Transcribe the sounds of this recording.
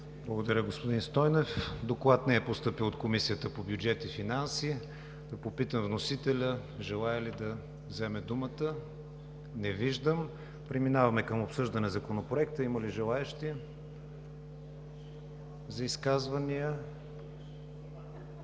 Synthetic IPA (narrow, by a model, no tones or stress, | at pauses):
blˠəɡod̪ɐɾʲəɡospod̪inst̪ɔjnɛfd̪oklˠat̪nɛɛpost̪ɤpilˠot̪komisijət̪əpobʲjud͡ʒɛt̪ifinansi | d̪ɐpopit̪əmvnosit̪ɛlʲə | ʒɛlˠaɛlid̪ɐ | vzɛmɛd̪umət̪ə | nɛviʒd̪əm | pɾɛminavɐmɛkəmopsɤʒd̪ɐnɛzɐkonopɾoɛkt̪əiməliʒɛlˠaɛʃt̪i | zɐiskazvɐniə